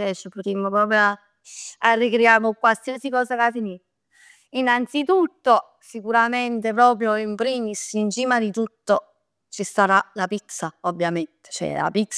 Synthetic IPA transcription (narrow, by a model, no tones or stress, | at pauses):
ɛt͡ʃːopot̪imːopɾɔːpɾjoa | arːikɾjaːmokwalsiasikɔːzakafini | inant̪sit̪ut̪ːo | sikuɾament̪ep̬ɾɔːpɾjoimpɾiːmisint͡ʃiːmad̪it̪ut̪ːo | t͡ʃist̪aɾalapit̪sːaobːjament̪e̥t͡ʃɛ̰la̰pit̪s